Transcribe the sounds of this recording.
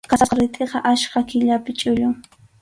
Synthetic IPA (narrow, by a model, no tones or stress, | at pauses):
kaqɑɾɪt̪ʼeqɑʔaʃkakɪʎapɪt͡ʃʼʊʎʊŋ